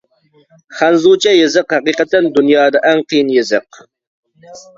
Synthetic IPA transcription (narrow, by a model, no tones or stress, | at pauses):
χænzut͡ʃʰɛjɪzɨqhæqiqət̪ːɛnd̪unjɑːd̪ɑʔæŋqʰijinjɪzɨq̚